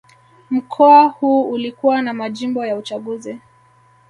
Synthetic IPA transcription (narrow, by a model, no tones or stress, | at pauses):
m̩kʰɔahuːulikuwanamaʄimbɔjaut͡ʃaɠuzi